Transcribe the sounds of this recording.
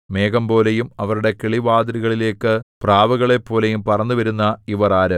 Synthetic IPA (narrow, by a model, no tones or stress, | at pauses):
me̞ːɡɐmpo̞ːle̞jumɐʋɐɾuɽe̞keɭiʋaːd̪ɐɾiɣɐɭile̞ːkːɨpraːʋɐɣɐɭe̞pːo̞ːle̞jumpɐrɐnːuʋɐɾunːɐiʋɐraːɾɨ